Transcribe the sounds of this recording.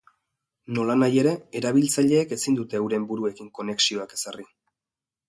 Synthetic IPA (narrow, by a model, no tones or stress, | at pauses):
no̞lanaje̞ɾe̞eɾaβ̞ilt͡saʎe̞ːke̞sind̪ut̪e̞ːwɾe̞mbuɾue̞kiŋko̞ne̞ksio̞ake̞sari